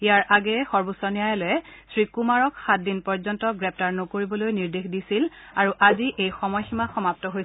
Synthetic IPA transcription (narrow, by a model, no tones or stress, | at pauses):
ijaɹʔaɡɛxɔɹbusɔnijajɛlɔjɛsɹikumaɹɔkxat̚dinpɔɹzɔntɔɡɹɛp̚taɹnokoɹibɔlojniɹdexdisil | aɹuʔaziʔejxɔmɔjximaxɔmap̚tɔɦoj